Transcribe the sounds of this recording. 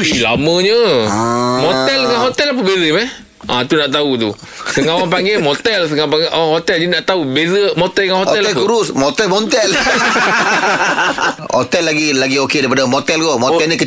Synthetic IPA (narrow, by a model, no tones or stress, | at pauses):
ilaməɲə | mot̪ɛlŋãŋɦot̪ɛlap̬əbezəmɛh | ʔãt̪unaʔt̪aut̪u | səŋawaŋpaŋɡemot̪ɛls̬əŋapaŋʔawaŋɦot̪ɛld͡ʒinaʔt̪aubezəmɔt̪ɛlŋãnhɔɛlɛlkuɾʊsmot̪ɛlmɔnt̪ɛl | hot̪ɛlːaɡilaɡiokedaipadamot̪ɛlɡomɔt̪ɛlɲikə